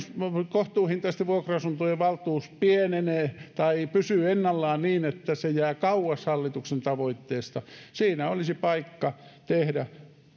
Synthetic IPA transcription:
skoht̪uːhint̪ɑist̪æʋuokroɑsunt̪ojeʋɑlt̪uːspieneneːˑt̪ɑipysyenːɑlːɑːnniːnet̪ːæsejæːkɑuwɑshɑlːit̪uksent̪ɑʋoit̪ːeːst̪ɑsiːnæolisipɑikːɑt̪ehdæ

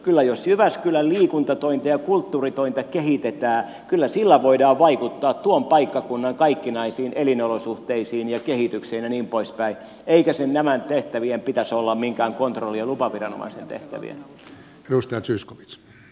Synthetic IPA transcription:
kylːæjosjyʋæskylælliːkunt̪ɑt̪oint̪ɑjɑkult̪ːuːrit̪oint̪ɑkehit̪et̪æː | kylːæsilːæʋoidɑːʋʋɑikut̪ːɑːt̪t̪uompɑikːɑkunːɑŋkɑikːinɑisiːnelinolosuht̪eisiːnjɑkehit̪ykseinæniːmpoispæi | eikæsennæmænt̪eht̪æʋiempit̪æsolːɑmmiŋkæːŋkont̪rolːiɑlupɑʋirɑno̰mɑ̰isent̪ḛht̪æ̰ʋḭḛn | edust̪ɑjɑt̪syːskoʋi̥t̪s

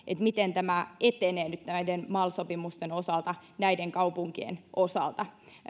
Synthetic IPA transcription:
ʔet̪mit̪ent̪æmæet̪eneːnyt̪næidenmɑːlsopimust̪enosɑlt̪ɑnæideŋkɑupuŋkiḛnʔosɑ̰lt̪ɑ

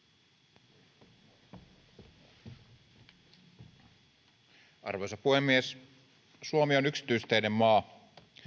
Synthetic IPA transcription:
ʔɑ̰rʋo̞jsɑpuhemːies | suomionyksi̥t̪yist̪eine̞mːɑː

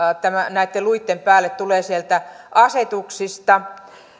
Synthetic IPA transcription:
t̪æmænæit̪ːeluit̪ːempæːlːet̪t̪uleːsielt̪æ | ʔɑset̪uksist̪ɑ

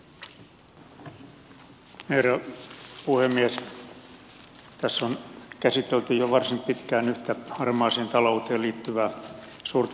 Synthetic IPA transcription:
heræpuhemːies | t̪æsːonkæsit̪elt̪yjoʋɑrsimpit̪kæːnyht̪æɑrmɑːseːnt̪ɑlout̪eːliːt̪ːyʋæː | suːrt̪

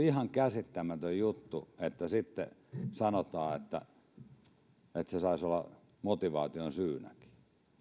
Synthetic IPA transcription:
ihɑŋkæsit̪ːæmæt̪øjjut̪ːuet̪ːæsit̪ːḛsɑnot̪ɑːet̪ːæ̰ | et̪sesɑisolːɑ | mot̪iʋɑ̰ːt̪ionsyːnæ̰ki̥

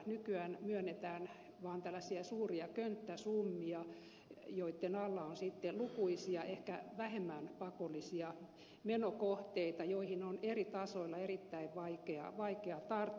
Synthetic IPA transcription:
nykyænmyønːet̪æːn | ʋɑːnt̪ælːæsiæsuːriɑkønt̪ːæsumːiɑ | joit̪ːenɑlːɑonsit̪ːelukuisiɑʔehkæʋæhemːænpɑkolːˑisiɑ | menokoht̪eit̪ɑjoihinonerit̪ɑsoilːɑerit̪ːæiʋʋɑikeɑ̰ʋɑikeɑt̪ɑrt̪ː

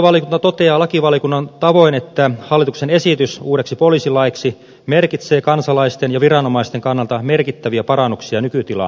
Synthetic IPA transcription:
ʋɑljikunt̪ɑt̪ot̪eɑːlɑkiʋɑljkunːɑnt̪ɑʋoinet̪ːæhɑlːˑit̪uksenesit̪ysuːɾeksipoliːsilɑjksi | merkit̪seːkɑnsɑlɑist̪enjɑʋirɑnomɑist̪eŋkɑnːɑlt̪ɑmerkit̪ːæʋiæpɑɾɑnːuksiɑnykyt̪ilɑ̰

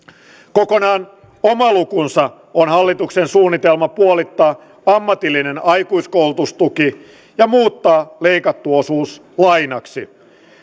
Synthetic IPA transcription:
kokonɑːn | omɑlukunsɑ | onɦɑlːit̪uksensuːnːit̪elmɑpuolit̪ːɑː | ɑmːɑt̪ilːine̞nɑjkuiskoulut̪ust̪uki | jɑmuːt̪ːɑːle̞ikɑt̪ːuosuːs | lɑjnɑksi

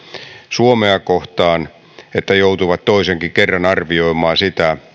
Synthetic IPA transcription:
suomeɑkoht̪ɑːn | et̪ːæjout̪uʋɑt̪toiseŋkikerːɑnɑrʋioimˑɑːsit̪æ

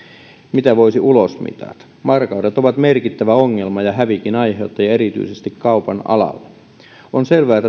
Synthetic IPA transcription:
mit̪æʋoisiʔulosmḭt̪ɑ̰t̪ | mɑrkɑudet̪oʋɑt̪merkit̪ːæʋæoŋːe̞lmɑjɑɦæʋikinɑjɦeot̪ːɑjɑe̞ɾit̪y̰isest̪ikkɑupɑnɑ̰lɑ̰lːe | onselʋæːt̪ːæ

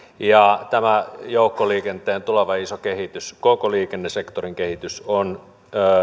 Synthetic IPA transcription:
jɑt̪æmæjoˑukːoliːkent̪eːnt̪uloʋɑisokehit̪yskokoliːkenːesekt̪oriŋkehit̪ysonː

